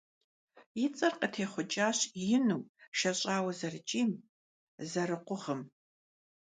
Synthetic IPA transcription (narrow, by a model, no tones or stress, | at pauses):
jɪt͡sʼɐrqətʰeːχʷʊt͡ʃʼaːɕjɪnuːʃɐɕʼaːwɐzɐrɨt͡ʃʼiːm | zɐrɨqʷʊʁəm